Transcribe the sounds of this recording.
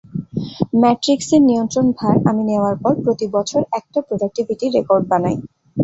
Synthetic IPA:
mɛʈɾikseɾniont̪ɾonbʱaɾamineoaɾpɔɾpɾot̪ibɔt͡ɕʰoɾɛk̚ʈapɾodak̚ʈibʱiʈiːekoɾɖ̚banaj

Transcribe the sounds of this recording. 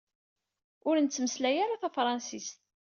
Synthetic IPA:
ʊɾənt͡sːməslæjaɾaθæfɾˤɑnsist̪

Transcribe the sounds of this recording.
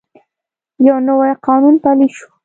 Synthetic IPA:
jawnawajqɑnunpaliʃu̥

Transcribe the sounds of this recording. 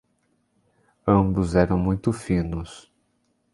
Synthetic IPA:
ɐ̃bʊzɛɾɐ̃w̃mũj̃t̪ʊfĩnʊs

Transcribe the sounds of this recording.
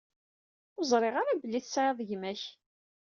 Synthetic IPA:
ʊzˤɾˤɪʁaɾabəlːiθsʕeðˤʝmæç

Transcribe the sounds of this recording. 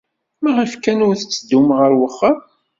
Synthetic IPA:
mæʁifkænʊɾθət͡sːəd̪ːumʁəɾwəχːəm

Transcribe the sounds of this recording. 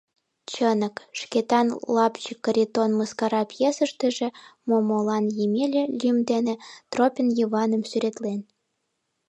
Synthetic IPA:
t͡ɕənəkʃket̪ɑnlɑpt͡ɕikːəɾʲit̪onməskɑɾɑpjesəʃt̪eʒĕmomolɑnjemʲelʲĕlʲymd̪enĕt̪ropʲənjiβɑnəmsyɾet̪len

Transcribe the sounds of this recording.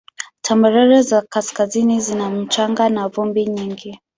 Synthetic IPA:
tʰambɛɾɛɾɛzakaskazinizinam̩t͡ʃaŋɡanavɔmbiɲiŋɡi

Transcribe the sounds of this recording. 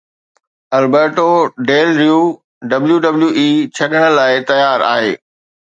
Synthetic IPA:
ɐlbeːɾʈoɖeːlɾijuː | ɖɐbljuɖɐbljuːʔiːt͡ɕʰɐɗəɽ̃ə̆laːɪt̪ɐjaːɾa̰ːɦḛː

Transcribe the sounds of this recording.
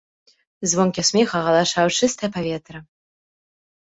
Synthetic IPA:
zvɔnkʲisʲmʲexɐɣɐlˠaʂawt͡ʂɨst̪ɐjɛpavʲɛt̪ɾɐ

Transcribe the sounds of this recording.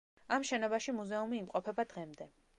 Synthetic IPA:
amʃɛnɔbaʃimuzɛumiːmqʼɔpʰɛbad̪ʁɛmd̪ɛ

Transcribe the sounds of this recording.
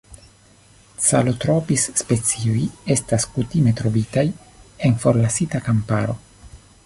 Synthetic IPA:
t͡salot̪ɾopisːpe̞t͡sioje̞staskutime̞t̪ɾo̞vitaj | e̞nfo̞ɾlasitakampaɾo̞

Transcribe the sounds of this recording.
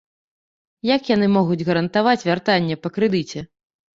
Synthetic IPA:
jakjanɨmɔɣud͡zʲɣɐɾɐnt̪avat͡sʲvʲart̪anʲːɛpɐkɾɨd̪ɨt͡sʲɛ

